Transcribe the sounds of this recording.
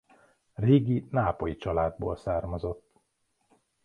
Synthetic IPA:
reːɡinaːpojit͡ʃɒlaːd̪̚bo̰ːlsaːrmɒzo̞t̪ː

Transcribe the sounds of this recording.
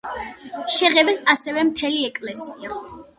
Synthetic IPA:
ʃɛʁɛbɛsasɛvɛmt̪ʰɛliɛkʼlɛsia

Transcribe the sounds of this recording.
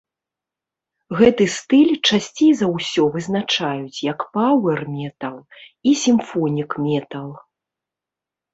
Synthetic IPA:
ɣɛt̪ɨst̪ɨlʲt͡ʂasʲt͡sʲejzɐwsʲɔvɨzn̪at͡ʂajut͡sʲjɐkpawɛrmʲɛt̪ɐlˠ | isʲimfɔnʲikmʲɛt̪ɐlˠ

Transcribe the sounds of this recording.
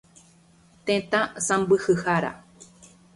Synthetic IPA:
t̪ẽt̪ãsãmbɨhɨhaɾa̰

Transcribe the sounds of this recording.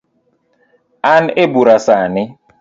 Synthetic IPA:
anebuɾasanɪ

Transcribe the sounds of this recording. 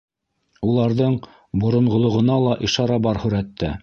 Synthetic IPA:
ulˠɑɾðɤɴ | bŏɾŏɴʁŏlˠŏʁɤ̆nɑlˠɑʔiʃɑɾɑbɑɾhɵ̆ɾæt̪ːæ̰

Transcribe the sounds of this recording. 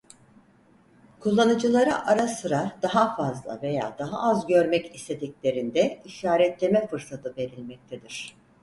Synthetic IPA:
kʰulˠːanɯd͡ʒɯlˠaɾa̰ʔaɾasɯɾaɾd̪aɦafazlˠa̰ve̞ja̰ːd̪aɦa̰ʔazɟø̞ɾmɛcist̪ʰe̞d̪iclʲe̞ɾind̪ɛiʃaːɾɛt̪lːemɛfɯɾsat̪ʰɯbe̞ɾilʲmɛc̚t̪ʰed̪iɾ̥

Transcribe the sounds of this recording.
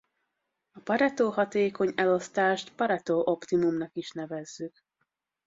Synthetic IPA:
ɒpɒɾɛt̪oːɦɒt̪eːko̞ɲɛlo̞st̪aːʃt̪pɒɾɛt̪oːʔo̞pt̪imumnɒkiʃnɛvɛzːyk

